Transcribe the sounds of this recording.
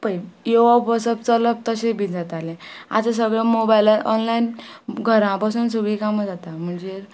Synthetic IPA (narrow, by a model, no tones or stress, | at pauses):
pəjjoʋabəsəp̚t͡sələp̚t̪əɕẽbid͡zat̪alẽa̰t͡sə̃s̬əɡɭãmobajlaɾɔnlainɡʱəɾãpasuːns̬uɡɭikaməd͡zat̪am̤əɳd͡ze